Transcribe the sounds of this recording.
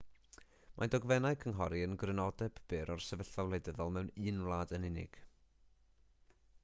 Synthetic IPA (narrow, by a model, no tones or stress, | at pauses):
mʔadɔɡvɛnaɨkʰənɦɔɾiənɡrɪnɔdɛb̥b̥ɨːɾʔɔrsɛvəɬawlˠejdəðɔlˠmɛwnɨːnlˠaːdənɪnɪ̰ɡ̥